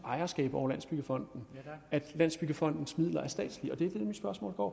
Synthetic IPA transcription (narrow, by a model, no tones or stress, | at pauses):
ɑ̈ɪɐsɡ̥ɛ̰ːb̥ɒ̰ʊ̰ɐlænsb̥yɡ̥əfɒ̽n̰d̥n̩æd̥læn̰sb̥yɡ̥əfɒ̽n̰d̥n̩smið̞̰ˠlɐæɐsd̥ɛ̰ːd̥sliɒ̽d̥e̝æd̥e̝demid̥sb̥ɶɐsmɔ̰̽ːlɡ̥ɒ̰ː